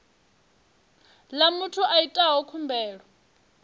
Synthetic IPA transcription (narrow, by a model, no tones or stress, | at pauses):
lamutʰuʔaitʼaɦɔkʰumbʱɛːɺɔ